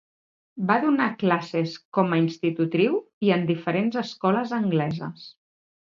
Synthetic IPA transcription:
baðunaklaseskɔməinst̪it̪ut̪ɾiw | iənd̪ifəɾenzəskɔləzəŋɡlɛzə̰s

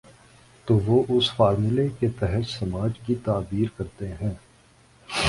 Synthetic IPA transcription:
t̪oːʋoːʔʊsfaːɾmɪleket̪ɛɦət̪sɐmaːd͡ʒkit̪aːbiːɾkɐɾt̪eɦɛ̃ː

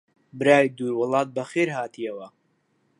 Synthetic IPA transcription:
bɨɾaːjd̪uːɾwɨlˠɑːt̪̚bɐxeːɾhaːt̪ʰijɐwɐ

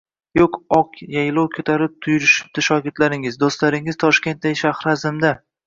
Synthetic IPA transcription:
joqɒqjajlˠowkʲʰɵt̪ʰaɾɪp̚t̪ʰʊjʊɾɪʃɪ̥p̚d̪ɪʃɒɡʲɪɾt̪laɾɪŋɪzd̪ost̪laɾɪŋɪz̥t̪ʰɒʃkʲe̞nt̪d̪aɡʲɪʃahɾazɪmd̪a

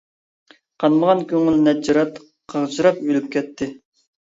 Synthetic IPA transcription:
qʰɑnməʁɑnkʲʰøŋylnɛd͡ʒɑɾɑt̪ | qʰəʁt͡ʃɨɾɑpøjlyp̚kʲʰɛt̪ʰːɪ

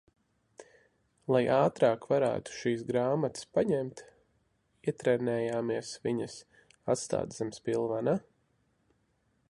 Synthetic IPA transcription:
lˠajaːt̪ɾaːkvaɾæ̰ːt̪u̥ʃiːsɡɾaːmat̪spaɲɛmt̪ | iɛt̪ɾɛnɛːjaːmiɛsviɲəs | at̪st̪a̰ːd̪zamspilˠvana

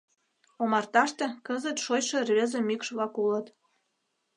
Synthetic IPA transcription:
omɑrt̪ɑʃt̪ĕkəzət̪ʃojʃĕrβezĕmykʃβlɑkulə̆t̪

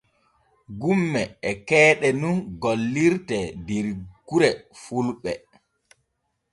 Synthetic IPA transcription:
ɡumːɛɛkɛːɗɛnunɡolːiɾtɛdiɾɡ̥uɾɛfulɓɛ

